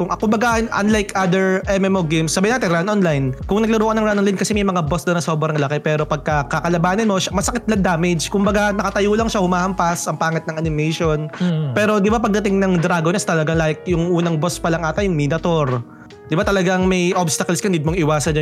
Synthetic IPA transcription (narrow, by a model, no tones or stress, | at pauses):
kʊŋkʊmbɐɡaʔnʔɐ̰nlajkad̪ɛɹʔɛmɛmoɡejmsːɐbajɪnaːt̪ɪnɾanʔonlajnkʊŋnɐɡlʊɾuːʔkɐnɐŋɾannlajnkɐsɛmɐjmɐŋabosd̪ɐnɐso̞bɾɐŋlɐkɛpɛːɾo̞pɐɡ̚kɐkɐkɐlɐbaːnɐnmo̞ʃamɐsɐkɪt̪̚lɐŋd̪aːmɛd͡ʒkʊmbɐɡanɐkɐt̪ɐjolɐŋʃahʊmaːhɐmpasʔɐŋpaːŋɐt̪̚nɐŋʔɐnɪmɛjʃo̞npɛːɾo̞d̪ɪbapɐɡ̚d̪ɐt̪ɪŋnɐŋd̪ɾaːɡonɐst̪ɐlɐɡaŋlaɪk̚jʊŋʔuːnɐŋbospɐlɐŋʔaːt̪ɐjʊŋminɐt̪oɾ | d̪ɪbat̪ɐlɐɡaŋmɐjʔobst̪ɐkɐlskɐɪnd̪id̪moŋɪwaːsɐn